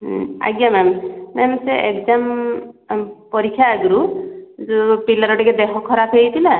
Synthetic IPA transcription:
a̰ɡjamɛmmɛmseʔekzam | pɔɾikʰːjaːɡɾuzupilaɾɔʈiɡed̪eɦɔkʰːɔɾapʰejt̪ʰila

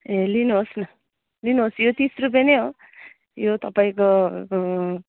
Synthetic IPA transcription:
ɦelinuɦosnʌ | linuɦosjot̪isrup̬jeneɦo | jot̪ʌpaĩko

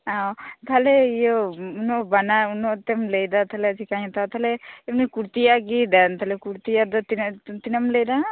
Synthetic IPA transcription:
awt̪ʰaleijɔunɔbanaunɔt̪ɛmlejd̪at̪ʰalɛsʰikaɲɔt̪at̪ʰaleːmnikuɾt̪ijaɡid̪ant̪ʰalɛkuɾt̪ijad̪ɔt̪int̪inamlejd̪a

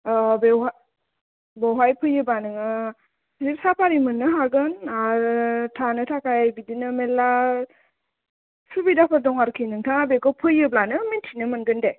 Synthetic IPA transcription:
bewɦa | bɔwɦajpʰɯjɯbanɯŋɯ | ɾip̚sapʰaɾimɯnːɯɦaɡɯnaɾtʰanɯtʰakʰajbidinɯmelːa | subidapʰadɔŋaɾkʰinɯŋtʰaŋabekɔpʰɯjɯblanɯmintʰinɯmɯnɡɯnde

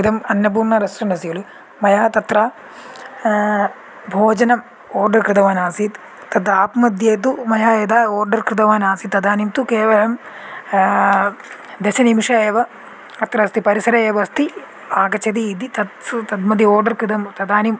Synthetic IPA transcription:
kɨt̪ɐmɐnːɐp̬uːɾɳɐɾɐsɾɐɳɖɐsijɐlu | mɐjaːt̪ɐt̪ɾaː | bʱoːd͡ʒɐnɐm | oːrɖɐrkɾɨt̪ɐʋaːnaːsit̪ | t̪ɐd̪aːpmɐd̪jeːt̪̬umɐjaːeːd̪aːoːrɖɐrkɾɨt̪̬ɐʋaːnaːsit̪ːɐd̪aːnimt̪ukeːʋɐlɐm | d̪eʃɐnimiʂɐeːʋɐ | ɐt̪ɾɐst̪ipɐɾisɐɾɐeːʋɐst̪i | aːɡɐt͡ʃʰɐd̪iːd̪it̪ɐst̪ɐd̪mɐd̪ioːrɖɐrkɾɨd̪ɐmt̪ɐd̪aːnim

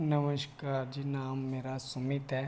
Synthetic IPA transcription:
nɐʋəʃkaːɾd͡ʒinaːmːeːɾasʊmɪt̪ɦɛː

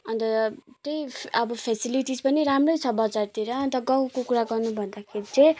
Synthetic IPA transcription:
ʌnt̪ʌt̪ejʌbʌpʰesiliʈid͡zpʌniɾamrʌjt͡sʰʌbʌd͡zart̪iɾʌːnt̪ʌɡʌwkokuɾaɡʌrnubʱʌnd̪akʰeɾit͡sʌ̃

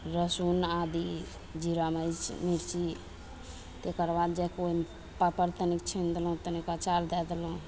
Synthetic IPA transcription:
ɾəsunad̪i | d͡ʒiɾaməjt͡ʃmiɽt͡ʃi | t̪ekəɾbad̪d͡ʒɛkoi | papəɾt̪ənikt͡ʃʰind̪elõt̪ənikat͡ʃaɾd̪ɛd̪eloũ

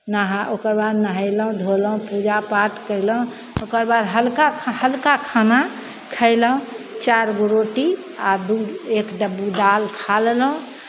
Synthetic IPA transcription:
naɦãokəɾbad̪nəɦəɪləũd̪ʱoləɦũpud͡ʒapaʈkəɪləũ | okəɾbad̪ɦəlkahəlkakʰana | kʰəɪləũt͡ʃaɾɡoɾoʈi | ad̪uekɖəbud̪alkʰallɦũ

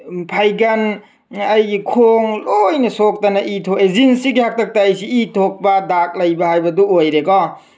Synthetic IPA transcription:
pʰajɡan | ɐjɡikʰoŋlojnɐsok̚tanɐʔitʰokezinsiɡihak̚tʰɐk̚taːjsiːtʰok̚badak̚lɐjbahajbɐduojɾekɔ

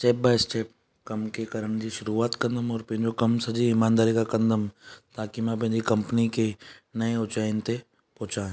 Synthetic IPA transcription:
ʈeːp̚baːɪsʈeːp̚ | kɐmkekɐɾəɳd͡ʒiʃʊɾuaːt̪kɐ̃nd̪əmɔːɾpɪ̃d͡ʒokɐmsɐd͡ʒiɪmãːnd̪aːɾikakɐ̃nd̪əmt̪aːkimɛ̃pẽnd͡ʒ̪ikɐ̃mpnikenɐeʊt͡ʃaːɪnt̪e | pɔːt͡ʃãː

